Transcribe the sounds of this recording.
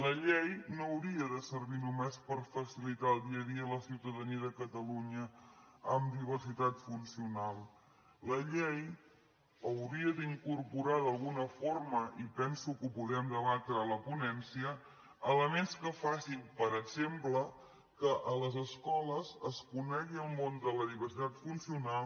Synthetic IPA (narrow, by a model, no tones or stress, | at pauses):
ləʎejnowɾiəðəsəɾβinumɛspəɾfəsilit̪aəlˠd̪iəðiələsiwt̪əðəniəðəkət̪əluɲəəmd̪iβ̞ərsit̪at̪funsiunalˠ | ləʎej | əwɾiəd̪iŋkurpuɾaðəlˠɣunəforməʔipɛnsukuβulɛmd̪əβat̪ɾələpunɛnsiəː | ləmenskəfasimpəɾəɡz̥emplə | kəʔələzəskɔləzəskunɛɣiəlˠmond̪ələðiβ̞ərsit̪at̪funsiunalˠ